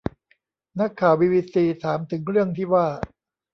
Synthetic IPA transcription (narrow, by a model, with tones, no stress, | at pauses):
na˦˥kʰːaː˨˩wiː˧wiː˧siː˧t̪ʰaː˩˦mt̪ʰɯ˩˦ŋɾɯ˥˩əŋt̪ʰiː˥˩waː˥˩